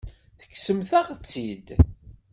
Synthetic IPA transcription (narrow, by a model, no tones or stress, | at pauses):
θə̥kːsəmθæʁt͡sːid̪